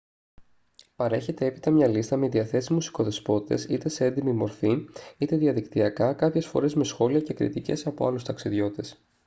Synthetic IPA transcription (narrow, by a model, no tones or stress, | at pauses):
pɐɾe̞çe̞t̪e̞epi̥t̪ɐmɲɐlist̪ɐmeðiɐθe̞sizmusi̥ko̞ðe̞spo̞t̪i̥t̪e̞sit̪e̞seend̪imimo̞ɾθiit̪e̞ðiɐðikt̪iɐkɐkɐpçe̞sfo̞̰ɾe̞zme̞sxo̞liɐce̞kɾḭt̪ice̞sɐpo̞ɐ̰lust̪ɐksiðʝo̞t̪t̪e̞s